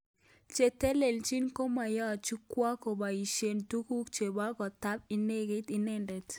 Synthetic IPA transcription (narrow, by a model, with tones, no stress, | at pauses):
t͡ʃe˨te˦le˨lt͡ʃi˦nko˦ma˨jɔ˦˨t͡ʃu˦kwa˦ko˨ba˨i˨ʃe˨ntu˦ku˦kt͡ʃe˨ba˦ɡɔ˨ta˦p̚ɪ˨ne˦ɡe˦tɪ˨nɛ˦ndɛ˨t